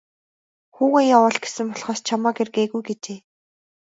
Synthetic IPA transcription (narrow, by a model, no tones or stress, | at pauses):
xuːɣeːjawʊɮɡe̥sɘ̆mpɔɮχɔːst͡ɕʰamɔːɡerɣeːɣujɡet͡ɕeː